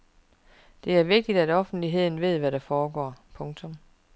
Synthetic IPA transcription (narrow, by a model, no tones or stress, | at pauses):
d̥e̝æɐʋe̝ɡ̥̚d̥id̥æd̥ɒ̽fn̩d̥liɦe̝ð̰ˠn̩ʋe̝ð̰ˠʋæɾæfɒːɡ̥ɒ̰ːpʰɔ̽ŋt͡sʰɔ̽m